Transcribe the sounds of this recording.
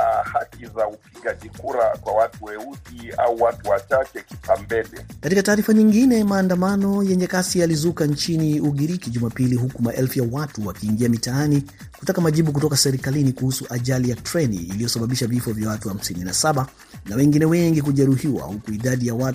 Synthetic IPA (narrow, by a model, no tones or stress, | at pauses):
hakizaupiɡaʄikuɾakwawatuwɛuɗia̰uwatuwat͡ʃat͡ʃɛki̥pambɛɗɛkatikataːɾifaɲiŋɡinɛmaːndamanɔjɛɲɛkasializukant͡ʃiniuɠiɾikiʄumapiliɦukumaʔɛlfujawatuwakiːŋɡiamitaani | kutakamaʄiɓuk̬utɔkasɛɾikalinikuhusuʔaʄalijatɾɛnḭːlijɔsaɓaɓiʃavifɔvjawatuham̩sininasaɓa | nawɛŋɡinɛwɛŋɡikuʄɛɾuhiwa̰hukuiɗaɗijawa